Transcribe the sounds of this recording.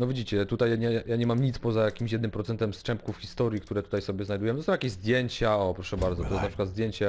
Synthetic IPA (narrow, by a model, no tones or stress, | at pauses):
nɔvʲid͡ʑit͡ɕɛt̪ut̪ajaɲɛajaɲɛmamɲit̪spɔzajakʲimɕjɛd̪nɘmpɾɔt̪ɛnt̪ɛmst͡ʂɛmpkufxʲist̪ɔɾʲjikt̪uɾɛt̪u̥t̪ajsɔbʲjɛznajd̪ujɛmt̪ɔsɔ̃wjakʲezd̪ʲjeɲt͡ɕaɔpɾɔʂɛbaɾd̪zɔt̪ɔjɛsnapʂɨkwad̪zd̪ʲjeɲt͡ɕɛ